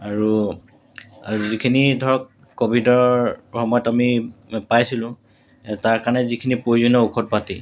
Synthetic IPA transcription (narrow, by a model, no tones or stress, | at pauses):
aɹu | azikʰinidʱɔɹɔkː | obʱidɔɹxɔmɔjɔtamipajsilʊ̃ | taɹkaɹnɛzikʰinipojzɔnɔukʰɔt̚pati